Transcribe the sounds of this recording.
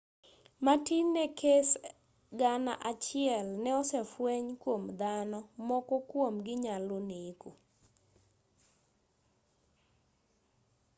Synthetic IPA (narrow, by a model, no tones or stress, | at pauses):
matinːɛkʰes | ɡana̰ʔat͡ʃɪɛlnɛɔsɛfweɲkwomd̪anɔmɔkɔkwomɡɪɲaloniku